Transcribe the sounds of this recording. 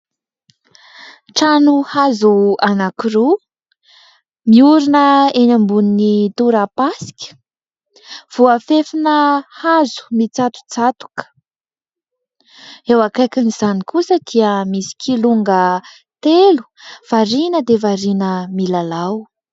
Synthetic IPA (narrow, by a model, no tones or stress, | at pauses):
ʈ͡ʂanuhazuanakiɾu | miuɾinəenambuninit̪uɾapasi̥kʲə̥ | v̥uafefinəhazu̥mit͡sat̪u̥t͡sat̪u̥kə̥ | ewakajkiniz̥anikusəd̪̥iəmisi̥kʰiluŋɡə | t̪elu̥ | v̥aɾinəd̪evaɾinəmilalaw